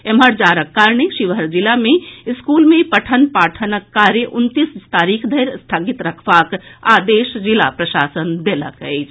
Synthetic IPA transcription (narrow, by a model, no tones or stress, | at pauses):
eməɾd͡ʒaɾəkːaɾɳeʃiʋəɾd͡ʒilameskulmepəʈʰənpaːʈʰənəkːaɾjəʔunt̪ist̪aɾikʰd̪ʱəjɾst̪ʰəɡit̪ɾəkʰbaka̰d̪eʃd͡ʒila̰pɾəʃaːsənd̪elə̰kəɪt͡ʃʰ